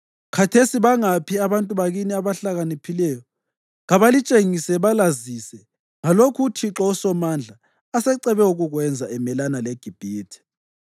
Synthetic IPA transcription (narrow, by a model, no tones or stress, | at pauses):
kʰatʰesiβaŋapʰiaβantʼuβaɣiniaβaɬaɣanipʰilɛjɔ | ɣaβalit͡ʃʼeŋisɛβalazisɛ | ŋalokʰutʰiǁɔusɔmand͡ɮʱaː | sɛǀɛβɛuɣuɣwɛnd͡zʱaɛmɛlanaleɡ̥ʱib̥ʱiːtʰi̥